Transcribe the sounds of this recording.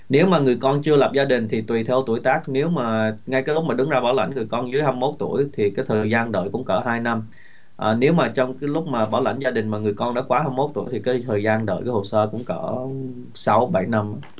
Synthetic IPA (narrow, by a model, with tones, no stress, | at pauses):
ne˨˦wmaː˨˩ŋɨ˨˩əjkɔ˧nt͡ɕɨ˧ələ˨˩p̚zaː˧ɗï˨˩ŋ̟t̪ʰi˨˩t̪wi˨˩t̪ʰɛ˧wt̪u˧˩əjt̪aː˦˥k̚ne˨˦wmaː˨˩ŋa˧jkaː˨˦jlʊ˦˥k͡p̚mː˨˩ɗɨ˨˦ŋzaː˧ɓaː˧˩wla̰˧˩jŋ̟ŋɨ˨˩jkɔ˧nzɨ˨˦əjha˧mːo˦˥t̚t̪u˧˩əjt̪ʰi˨˩kaː˨˦jt̪ʰəː˨˩jzaː˧nɗə̰ː˧˨jkʊ̰˧˥ŋ͡mkəː˧˩ɦaː˧jna˧m | ʔəː˨˩ne˨˦wmaː˨˩t͡ɕɔ˧wŋ͡mkaː˨˦jlʊ˦˥k͡p̚maː˨˩ɓa̰ː˧˩wla̰˧˩jŋ̟zaː˧ɗï˨˩ŋ̟maː˨˩ŋɨ˨˩əjkɔ˧nɔ̰˧˦kwaː˨˦ha˧mːo˦˥t̚t̪ṵ˧˩əjt̪ʰi˨˩kaː˨˦t̪ʰəː˨˩jzaː˧nɗə̰ː˧˨jkaː˨˦jho˨˩səː˧kʊ̰˧˥ŋ͡mkəː˧˩ | sa˨˦wɓa˧˩jna˧mʔa˨˦